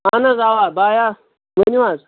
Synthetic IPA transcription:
anazawabaja | meniwaz

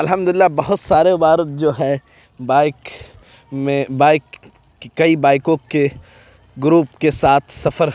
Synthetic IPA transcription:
ɐlɦə̃md̪ʊlɪlːabɐɦʊt̪saːɾebaːɾət̪̚d͡ʒoːɦɛ | baːɪk | mẽbaːɪk | kɐibaːɪkõke | ɡɾuːpkesaːt̪ʰsɐfəɾ

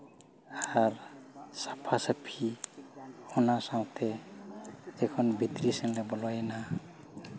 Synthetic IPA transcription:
aɾsapʰasapʰi | hɔnasaw̃t̪ʰɛ | d͡ʒekʰɔnbʱit̪ɾisəŋlebɔlɔjna

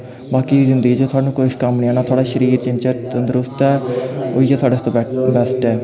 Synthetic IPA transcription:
baːkiːzɪnd̪əɡiːd͡ʒeːt̪ʰaːɽnũːkoʃkəmnĩːɛ̃ːnaːt̪ʰaːɽaːʃəɾiːɾt͡ʃɪmt͡ʃət̪ənd̪əɾʊst̪ɛːoiːd͡ʒeːt̪ʰaːɖeːst̪ːbɛsʈɛː

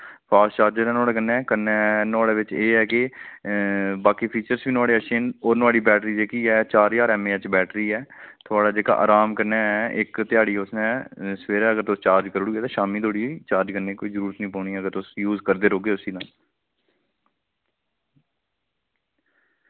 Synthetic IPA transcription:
pʰaːst͡ʃaːɾd͡ʒeːɾɛːnaːɽeːkənːɛ̃ːkənɛːnaːɽeːʋɪt͡ʃeːɛːkɪ | baːkiːpʰiːt͡ʃəɾsʋiːnʊaːɽeːəʃeːnoːnaːɽiːbɛːʈɾiːd͡ʒeːkiːɛːt͡ʃaːɾjaːɾɛːmeːɛt͡ʃbɛːʈɾiːɛːt̪ʰʊaːɽaːd͡ʒeːka̰ːʔa̰ːɾaːmkəɾnɛːɛʔɪkt̪ɪjaːɽiːʊsnɛ̃ːsʋeːɾɛːəɡəɾt̪ost͡ʃaːɾd͡ʒkəɾɽuːɡeːt̪ãːʃaːmiːt̪ʰoːɽit͡ʃaːɾd͡ʒkənːeːkoːiːzəɾuːɾət̪nĩːpɔːɽ̃iːɛːəɡəɾt̪ʊsjuːzkəɾd̪eːɾoːɡeːʊsiːnaːl

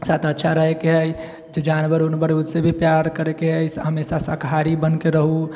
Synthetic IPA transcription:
sat̪ətːʃʰaɾəɦekeɦəj | d͡ʒed͡ʒanbəɾonbəɾeud̪sebʱipjaɾkəɾekeɦəjsɦəmesasəkʰaɾibənkeɾəɦu

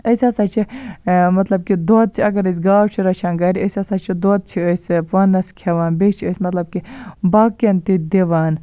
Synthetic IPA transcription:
əsʲaːsaːt͡ʃʰimɐt̪lɐb̚kid̪oːt̪̚t͡ʃʰiɐɡɐɾɐs̬ʲɡaːwt͡ʃʰiɾɐt͡ʃʰaːnɡaːɾiɐsʲasaːt͡ʃʰid̪oːt̪̚t͡ʃʰiəspɐnɐskʰeʋaːnbet͡ʃʰiəsʲmɐt̪lɐb̚kibaːkɐnt̪id̪iʋaːn

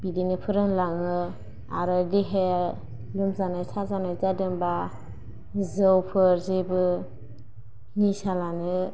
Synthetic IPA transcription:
b̥idinɯpʰɯɾɯnlaŋɯ | aɾɯdiɦe | lɯmzanɯtʰazanɯzadɯmba | zɯwpʰɯɾzebɯ | ŋisalanɯ

